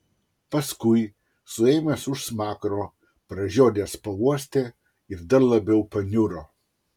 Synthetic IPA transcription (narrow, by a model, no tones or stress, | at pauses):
pɐskʊɪ | sʊɛːmʲesʊʃsmɑːkɾoː | pɾɐʒʲoːd̪ʲeːspɐuɔsʲt̪ʲe | ɪɾd̪ɐɾlˠɐbʲɛʊpɐnʲʊɾoː